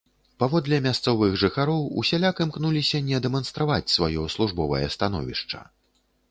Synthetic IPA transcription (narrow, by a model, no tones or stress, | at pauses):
pavɔd̪lʲɛmʲast̪sɔvɨɣʐɨxaɾɔwṵsʲalʲakɨmknulʲisʲɐnʲɛd̪ɛmɐnst̪ɾavat͡sʲsvajɔslˠuʐbɔvɐ̰jɐ̰st̪anɔ̰vʲiʂt͡ʂɐ̰